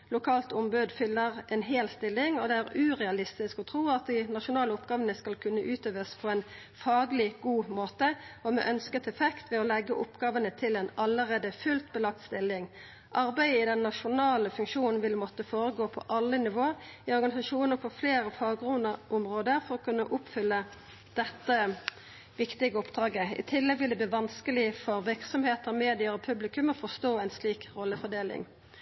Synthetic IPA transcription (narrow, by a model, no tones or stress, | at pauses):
lʊkʰɑːlt̪ʊmbʉd̪fʏlːəʁɛnɦeːlst̪ɪlːɪŋɔd̪ɛæʁʉːʁɛɑlɪst̪ɪskɔt̪ʰɾuːɑt̪̚d̪ɪnɑʃʊnɑːləʊpɡ̥ɑːʋənəskɑlkʰʉnːəʔʉːt̪ʰøːʋəspʰɔɛn | fɑːɡlɪɡ̥uːmoːt̪əɔmɛ̰ʔœnskət̪ʰɛfɛkt̪ʋɛɔlɛɡːəʔʊpɡɑːʋənət̪ʰɪlɛnɑləʁeːd̪əfʉlt̪̚bəlɑk̚t̪st̪ɪlːɪŋ | ʔɑɾbæɪəɪd̪ɛnːɑʂʊnɑːləfʉŋkʃuːnn̩ʋɪlːmɔt̪ːəfoːʁəɡoːpʰɔ̰ʔɑlːənɪʋoːɾɪɔʁɡɑnɪsɑʂuːnəfʰɔːfleːɾəfɑːɡʁʊnəʔʊmʁoːd̪əɾfɔʁɔkʰʉnːəʔʊpfʏlːə | d̪̥ɛt̪ːə | ʋɪkt̪ɪɡəɔpd̪ʁɑːɡəɪ̰t̪ʰɪlːɛɡʋɪld̪ɛb̪iːʋɑnskəlɪfɔʁʋɪʁksɔmheːt̪əɾɔmeːd̪ɪɑɾɔpʰʉblɪkʉmɔfɔst̪oːæɪnsliːkʁɔlːəfɔd̪eːlɪ̰ŋ